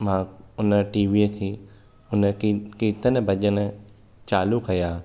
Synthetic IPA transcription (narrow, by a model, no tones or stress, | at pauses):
mãːʊnə̆ʈiːʋiːkʰeː | ʊnəkiːt̪ʰənbʱɐʄən | t͡ɕaːlukɐjaː